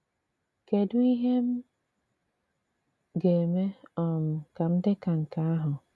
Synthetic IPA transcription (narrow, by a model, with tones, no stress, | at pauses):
ke˨dʊ˦i˦ɦe˦m̩˦ | ɡe˨me˦ɔ˨m̩˨ka˨m̩˦dɪ˦ka˨ŋ̩˨ka˨a˦ɦʊ˨